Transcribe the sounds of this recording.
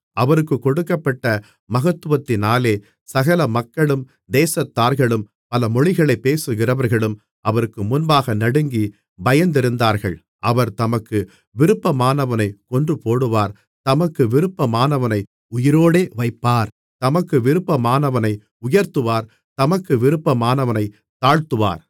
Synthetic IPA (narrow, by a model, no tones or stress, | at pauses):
ɐʋɐɾɯkːɯkːɔɽɯkːɐpːɐʈːɐ | mɐɣɐt̪ːɯʋɐt̪ːɪnaːleː | sɐɣɐlɐmɐkːɐɭɯm | d̪eːsɐt̪ːaːɾɣɐɭɯm | pɐlɐmɔɻɪɣɐɭɐɪpːeːsɯɣɪrɐʋɐɾɣɐɭɯm | ʔɐʋɐɾɯkːɯmʊnbaːɣɐnɐɽɯŋɡi | bɐjɐnd̪ɪɾɯnd̪aːɾɣɐ̰ɭ | ʔɐʋɐɾt̪ɐmɐkːɯ | ʋɪɾɯpːɐmaːnɐʋɐnɐɪkɔndrɯpoːɽɯʋaːɾ | t̪ɐmɐkːɯʋɪɾɯpːɐmaːnɐʋɐnɐɪ | ʊjɪɾoːɽeːʋɐɪpːaːɾ | t̪ɐmɐkːɯʋɪɾɯpːɐmaːnɐʋɐnɐɪ | ʊjɐɾt̪ɯʋaːɾ | t̪ɐmɐkːɯʋɪɾɯpːɐmaːnɐʋɐnɐɪ | t̪ːaːɻt̪ɯʋa̰ːɾ